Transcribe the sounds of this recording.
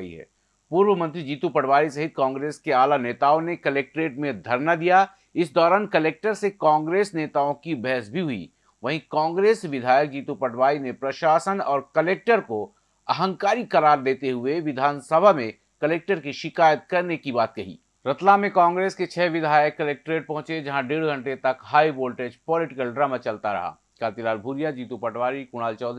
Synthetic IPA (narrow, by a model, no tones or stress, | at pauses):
ḭɦɛ̰ː | puːɾʋəmɐ̃nt̪ɾid͡ʒiːt̪upɐɽʋaːɾisɐɦɪt̪̚kãːŋɡɾeːskeaːlaneːt̪aːõnekɐleːk̚ʈɾeːʈmẽd̪ʱɐɾnad̪ija | ɪsd̪ɔːɾaːnkɐleːk̚ʈəɾsekãːŋɡɾeːsneːt̪aːõkibɛɦsbʱiɦʊḭ | ʋɐɦĩkãːŋɡɾeːsʋɪd̪ʱaːjək̚d͡ʒiːt̪upɐɽʋaːɾinepɾɐʃaːsənɔːɾkɐleːk̚ʈəɾko | ɐɦə̃ŋkaːɾikɐɾaːɾd̪eːt̪eɦʊeʋɪd̪ʱaːnsɐbʱamẽ | kɐleːk̚ʈəɾkiʃɪkaːjət̪̚kɐɾnekibaːt̪̚kɐɦḭː | ɾɐt̪lamẽkãːŋɡɾeːsket͡ʃʰɛːʋɪd̪ʱaːjəkːɐleːk̚ʈɾeːʈ̚pɐ̃ɦʊ̃t͡ʃed͡ʒɐɦãɖeːɽɡʱɐ̃ɳʈet̪ɐkɦaːiboːlʈeːd͡ʒpɔːlɪʈɪkəlɖɾaːmat͡ʃɐlt̪aɾɐ̰ɦa̰ː | kaːt̪ilaːlbʱuːɾijad͡ʒiːt̪upɐʈʰʋaːɾikʊɽ̃aːlt͡ʃɔːd̪